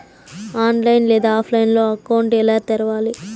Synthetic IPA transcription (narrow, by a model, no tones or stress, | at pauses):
aːnlɐjnlɛːd̪aːaːpʰlɐjnlo̞ːɐkɐwɳʈɛlaːt̪ɛɾɐʋaːli